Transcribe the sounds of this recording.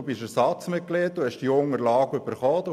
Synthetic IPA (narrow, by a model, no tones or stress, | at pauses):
ubɪʃæsɑt͡smɪt̚kleːt̚d̥uhɛʃdiʊŋəɾlɑːɡəøbəɾχɔːd̪u